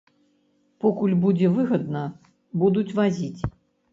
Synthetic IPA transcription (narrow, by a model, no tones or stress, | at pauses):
pɔkulʲbud͡zʲɛvɨɣɐd̪nɐ | bud̪ut͡sʲvazʲit͡sʲ